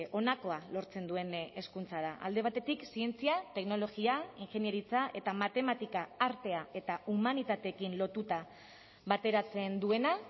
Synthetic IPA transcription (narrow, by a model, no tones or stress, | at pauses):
ʔo̞nako̞alo̞ɾt͡se̞nd̪ue̞ne̞skunt͡saðaʔa̰ld̪e̞β̞at̪e̞t̪iksie̞nt͡siat̪e̞kno̞lo̞ɣiaiŋxe̞nje̞ɾit͡saʔe̞t̪amat̪e̞mat̪ikaːɾt̪e̞ae̞t̪aumanit̪at̪e̞ːkinlo̞t̪ut̪a | βat̪e̞ɾat͡se̞nd̪ue̞na